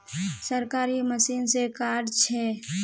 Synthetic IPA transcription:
səɾkaːɾiməsiːnsekaːɾt͡ʃʰɛ

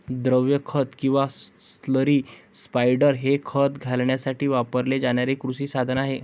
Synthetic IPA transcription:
d̪ɾəʋjəkʰət̪kĩw̃ʋassləɾiːspajɽəɾɦekʰət̪ɡʱalɳjasaʈiːʋapəɾled͡zaɽ̃jaɾekɾusiːsad̪ʱənaɦe

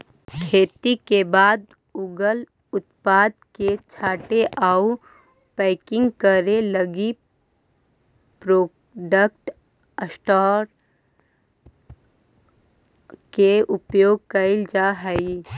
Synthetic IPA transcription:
kʰeːt̪ikebaːd̪ | uːɡəl | ʊt̪paːd̪̚ket͡ʃʰaːʈeʔau | pɛːɪkɪ̃ŋɡkəɾeləɡi | pɾoː | ɖək̚ʈ | əsʈɔːɾ | keʊpjoːɡ̚kəɪld͡ʒaɦɛi

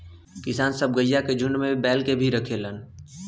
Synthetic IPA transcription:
kɪsaːnsəb̚ɡəjːaked͡ʒʱʊnmẽbɛːlkebʱiɾəkʰelən

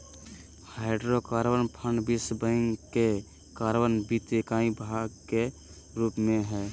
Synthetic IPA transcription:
haɪɖɾokaːɾʋənpʰə̃ɳɖbisbə̃ŋɡke | kaːɾʋənbit̪ekaːĩbʱaɡke | ɾuːpmẽɦɛː

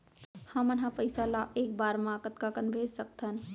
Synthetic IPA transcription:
həmənɦãpəɪsalaʔeːk̚baːɾmãkət̪kakənbʱeːd͡ʒsək̚t̪ʰən

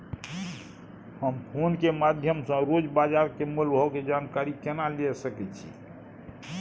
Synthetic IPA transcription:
həmpʰonkemad̪ʱjəmsə̃ɾod͡ʒbad͡ʒaɾkemulbʱɔked͡ʒankaɾikenalesəkɛt͡ʃʰḭ

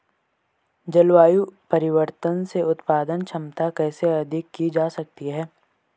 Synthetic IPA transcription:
d͡ʒɐlwaːjupɐɾɪʋəɾt̪ənseʊt̪paːd̪ənt͡ʃʰɐ̃mt̪akɛːseɐd̪ʱɪkːid͡ʒaːsɐk̚t̪iɦɛː

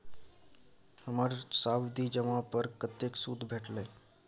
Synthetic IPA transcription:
həmaɾsawd̪id͡ʒəmapəɾkət̪eksud̪ʱbʱeʈlə

